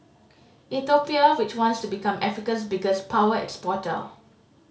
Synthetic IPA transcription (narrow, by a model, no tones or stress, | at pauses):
ʔit̪opiəwɪt͡ʃwɔ̃ntstubikãmʔɛfikəs̬biɡəspʰawəɛ̰kspɔtə̰